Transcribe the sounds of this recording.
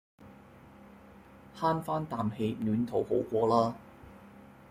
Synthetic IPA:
haː˥nfaː˥nt̪aː˨mhe˧jnyː˨˥nt̪ʰo˨˥who˨˥wkʷɔː˧laː˥

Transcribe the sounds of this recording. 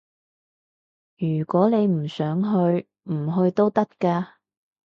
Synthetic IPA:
jyː˨˩kʷɔː˨˥ne˨˧jm̩˨˩sœː˨˥ŋɦɵ˧ɥ | m̩˨˩ɦɵ˧ɥt̪o˥wt̪ɐ˥kkaː˧

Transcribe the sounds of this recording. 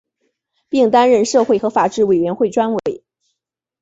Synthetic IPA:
pi˥˩ŋt̪a˥nɻə˥˧nʂɤ˥˧xwe˥˩ɪxɤ˧˥fa˨˩ʈ͡ʂɻ̩˥˩we˨˩ɪɥɛ˧˥nxwe˥˩ɪʈ͡ʂwa˥nwe˧˥ɪ

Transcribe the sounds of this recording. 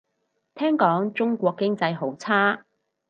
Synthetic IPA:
t̪ʰɛː˥ŋkɔː˨˥ŋt͡sʊ˥ŋkʷɔː˧kːɪ˥ŋt͡sɐ˧jɦo˨˥wt͡sʰaː˥

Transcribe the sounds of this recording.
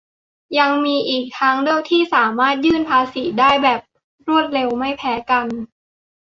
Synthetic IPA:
ja˧ŋmiː˧ʔiː˨˩k̚t̪ʰaː˦˥ŋdɯ˧˥əwt̪ʰiː˥˩saː˩˦maː˥˩t̪̚jɯː˥˩npʰaː˧si˨˩˦daː˥˩jbɛː˨˩p̚ | ɾu˥˩ət̪̚ɾe˧wma˥˩jpʰɛː˦˥ka˧n

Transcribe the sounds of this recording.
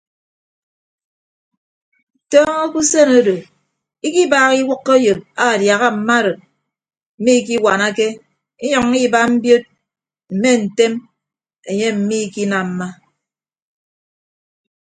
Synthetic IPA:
tɔː˦ŋo˦ku˦se˦no˦do˨ | i˦ki˦baː˨ɣi˦wʊ˦kːa˦jo˨p̚a˦˨dja˨ɣa˦m̩˨ma˦ɾɨ˨t̚ | m̩˨mi˦k̬i˦wa˨na˦ke˦ | i˦ɲɔ˨ŋi˦ba˦m̩˦bjo˦t̚ | m̩˨me˦n̩˨te˦m | e˨ɲe˦m̩˨mi˦ki˦na˨m̩˨ma˦

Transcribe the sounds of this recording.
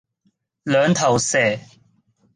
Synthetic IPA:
lœː˨˧ŋt̪ʰɐ˨˩wsɛː˨˩

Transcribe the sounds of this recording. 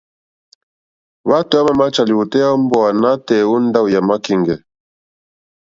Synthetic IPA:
βa˦tu˨˦a˦ma˦˨ma˦t͡ʃa˨li˨wu˨tɛ˦ja˦m˦bɔ˦˨a˨na˦tɛ˨u˦n˦da˦u˨ja˨ma˦ki˦˨ŋɡɛ˨

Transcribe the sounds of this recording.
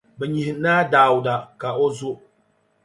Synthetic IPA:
bɛ˨ɲi˨hɪ˨naː˦daː˨wʊ˨da˨ka˨ʔo˦zʊ˦

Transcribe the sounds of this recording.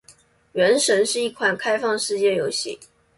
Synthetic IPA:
ɥɛ˧˥nʂə˧˥nʂɻ̩˥˧i˥˩kʰwa˥˩nkʰa˥ɪfɑ˥˧ŋʂɻ̩˥˧t͡ɕjɛ˥˩jo˧˥ʊɕi˥˩

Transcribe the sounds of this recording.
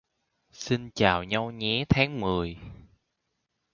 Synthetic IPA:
si˧nt͡ɕaː˨˩wɲa˧wɲɛ̰˧˥t̪ʰaː˨˦ŋmɨ˨˩əj

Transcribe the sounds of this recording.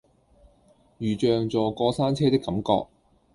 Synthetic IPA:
jyː˨t͡ʃœː˨ŋt͡sɔː˨˩kɔː˧saː˥nt͡sʰɛː˥t̪ɪ˥kːɐ˨˥mkɔ̰ː˧k̚

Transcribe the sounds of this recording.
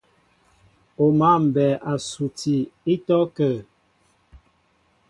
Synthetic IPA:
o˨ma˦˨m̩˨bɛ˨ʔa˨su˨ti˨i˦tɔ˦kə˨

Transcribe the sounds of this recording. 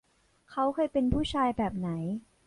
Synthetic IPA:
kʰa˦˥wkʰɤː˧jpe˧npʰuː˥˩t͡ɕʰaː˧jbɛː˨˩p̚na˩˦j

